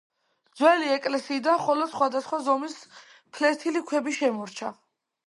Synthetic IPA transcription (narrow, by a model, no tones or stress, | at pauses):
d̪zwɛliɛkʼlɛsiːd̪anχɔlɔd̪sχwad̪asχwazɔmis | pʰlɛɾt̪ʰilikʰwɛbiʃɛmɔɾt͡ʃʰa